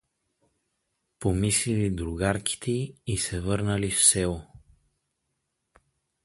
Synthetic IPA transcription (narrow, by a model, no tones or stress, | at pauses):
pomislilid̪ɾuɡaɾkʰi̥t̪ʰɛiisɛvɤɾnəlifsɛo